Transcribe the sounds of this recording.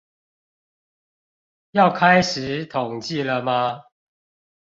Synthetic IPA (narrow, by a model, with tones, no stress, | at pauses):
jɑ˥˨ʊkʰa˦ɪʂɻ̩˨˦t̪ʰʊ˨˩ŋt͡ɕi˥˨lə˨ma˦